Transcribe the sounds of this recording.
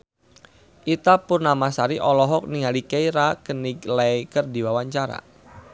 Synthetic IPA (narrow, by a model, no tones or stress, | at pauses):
ʔit̪apʊrnamasaɾiʔɔlɔɦɔk̚niŋalikejɾakəniklakərdiwawaɲt͡ʃaɾa̰